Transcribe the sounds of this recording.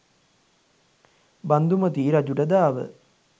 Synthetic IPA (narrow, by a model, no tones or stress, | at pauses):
band̪umət̪iːɾad͡ʒuʈɐd̪aːʋə̰